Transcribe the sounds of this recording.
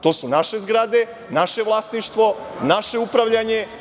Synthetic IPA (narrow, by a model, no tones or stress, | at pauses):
t̪o̞ːsunaʃe̞zɡɾad̪e̞ | naʃe̞ʋlˠaːsniʃt̪ʋo̞naʃe̞upɾaʋʎaɲe̞